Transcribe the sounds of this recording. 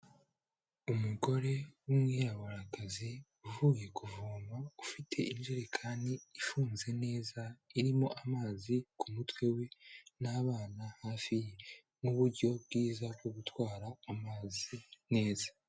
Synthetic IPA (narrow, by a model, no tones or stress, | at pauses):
umuɡo̞ɾe̞umŋiɾawaɾaɡazi | uvuːje̞kʰuvuːmaufitʰe̞ʔinʒiɾekʰaːndiːfuːnze̞ne̞ːzaiɾimo̞ʔamaːzikʰumutwe̞we̞naːβaːnahaːfije | nuβuɾɟo̞bɡiːzab̚ɡo̞ɡutwaːɾaːmaːzine̞ːza